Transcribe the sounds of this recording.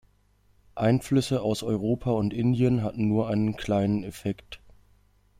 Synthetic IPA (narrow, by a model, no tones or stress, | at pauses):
ʔaɪnflʏsəaʊsʔɔʏʁoːpʰaʊntʔɪndiənɦatn̩nuːɐʔaɪnənkʰl̥aɪnənɛfɛkt